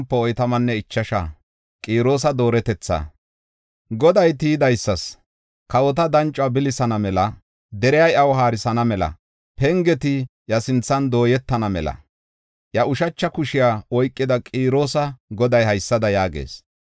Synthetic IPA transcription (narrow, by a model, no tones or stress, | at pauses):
mpːɛɔjt̪ɐmɐnːɛɪt͡ʃːɐʃa̰ | kʼiːɾo̞ːs̬ɐd̪o̞ːɾɛt̪ɛt͡sːɐ̰ | ɡɔd̪ɐjt̪iːd̪ɐjsːɐs | kɐwɔt̪ɐd̪ɐnt͡ʃʼʊaːbɪlɪsɐnɐmɛlɐ | d̪ɛɾɛjɐjɐwɦaːɾɪsɐnɐmɛlɐ̰ | pɛŋɡɛt̪ɪjɐsɪnt͡sːɐnd̪o̞ːjɛt̪ːɐnɐmɛ̰lɐ̰ | ʔjɐʊʃɐt͡ʃːɐkʊʃɪjaːwɔjkʼːɪd̪ɐkʼiːɾo̞ːsɐɡɔd̪ɐjhɐjsːɐd̪ɐjaːɡḛːs